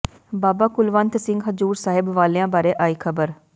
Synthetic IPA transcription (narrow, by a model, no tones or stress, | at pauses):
baːbaːkʊlʋənt̪sɪ̃ŋɡɦəzuːɾsaːɦɪbʋaːleãːbaːɾeːʔaːiːkʰəbəɾ